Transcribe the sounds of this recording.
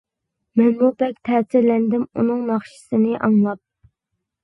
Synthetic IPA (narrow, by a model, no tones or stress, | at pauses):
mɛnmubɛk̚ʲt̪ʰɛːsɪɾlɛnd̪ɪmṵnɨŋnɑχʃi̥sɨnɨʔɑŋlˠɑp̚